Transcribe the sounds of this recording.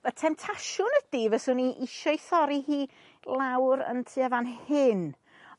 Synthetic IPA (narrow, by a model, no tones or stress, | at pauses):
ətʰɛmtʰaʃʊnəd̥iːvəsʊniʔiʃɔjθɔɾihiː | lˠawɾə̰ntʰɨːavanhɪn